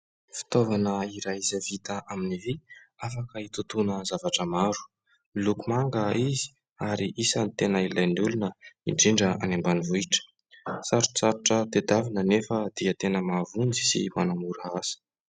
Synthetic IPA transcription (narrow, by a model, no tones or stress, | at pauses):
fi̥t̪ovanəiɾajizavit̪əʔaminiviafakəit̪ut̪unəzavaʈ͡ʂəmaɾu̥ | ilukumaŋɡəizi̥ | aɾiʔisənit̪enailajnulunəiɖ͡ʐiɳɖ͡ʐəa̰nembanivuiʈ͡ʂə̥ | saɾut͡saɾuʈ͡ʂət̪ed̪avinənefəd̪̥iət̪enəmavund͡zi̥sḭmanamuɾasə̥